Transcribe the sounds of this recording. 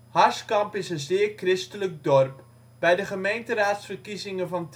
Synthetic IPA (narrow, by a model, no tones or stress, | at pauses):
hɑɹskɑmpɪsənzɪːrkrɪstələk̚dɔrp | b̥ɛjdəχəmejntəraːtsfərkizɪŋəvɑnt